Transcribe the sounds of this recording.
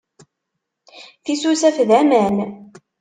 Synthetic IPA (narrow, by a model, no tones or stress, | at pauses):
θisusæfðæmæn